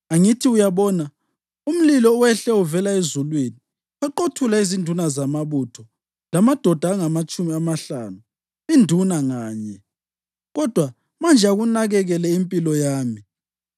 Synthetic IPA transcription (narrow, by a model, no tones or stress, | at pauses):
aŋitʰiujaβɔna | um̩lilɔwɛɬɛuvɛlaezulweni | waǃotʰulaizindʱunazamaβutʰɔ | lamad̥ʱɔd̥ʱaŋamat͡ʃʼumiamaɬa̰ːnu | indʱunaŋaːɲɛ | ɣɔd̥ʱwa | mand͡ʒʱaɣunaɣɛɣɛlɛimpʼilɔjaːmi